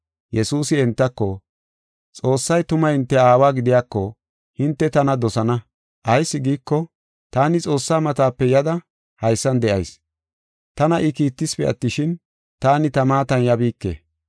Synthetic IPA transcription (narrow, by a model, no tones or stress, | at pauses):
jɛsuːsɪɛnt̪ːɐkːɔ | t͡sʼo̞ːsːɐjt̪ʊmɐhɪnt̪ːɛaːwaːɡɪd̪ɪjaːkːɔ | hɪnt̪ːɛt̪ɐnɐd̪ɔsɐnɐ | ʔɐjsːɪɡiːkːɔ | t̪aːnɪt͡sʼo̞ːsːaːmɐt̪aːpːɛjɐd̪ɐ | hɐjsːɐnd̪ɛʔɐjs | t̪ɐnɐʔɪkiːt̪ːɪspɛ̰ʔɐ̰t̪ːɪʃɪn | t̪aːnɪt̪ɐmaːt̪ɐnjɐbiːkːḛː